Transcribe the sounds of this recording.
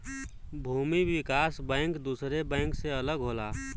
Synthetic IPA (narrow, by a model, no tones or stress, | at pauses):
bʱuːmiʋɪkaːsbɛ̃ːŋkd̪uːsɾebɛ̃ːŋkseələɡɦoːlaː